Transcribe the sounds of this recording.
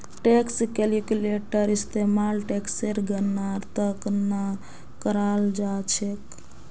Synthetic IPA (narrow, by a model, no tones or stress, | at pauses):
ʈekskelikuleʈəɾist̪emalʈekseɾɡənːaɾt̪əkna | kəɾald͡ʒat͡ʃʰek